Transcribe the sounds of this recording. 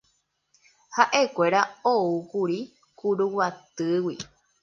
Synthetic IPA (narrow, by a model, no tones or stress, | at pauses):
haʔe̞kʷe̞ɾaoukuɾi | kuɾuwat̪ɨwi